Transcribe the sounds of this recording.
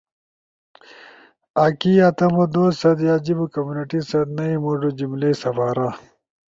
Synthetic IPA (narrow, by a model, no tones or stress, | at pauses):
aːkiɐt̪ɐmod̪oːsɐd̪jaːd͡ʑibukɐmjuːniʈisɐd̪nɐimoʐud͡ʑimleːsɐfaːɾa